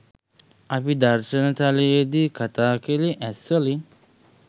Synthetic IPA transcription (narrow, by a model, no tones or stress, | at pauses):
apid̪aɾʃənət̪alejəd̪ikʰat̪aːkeliʔæsəli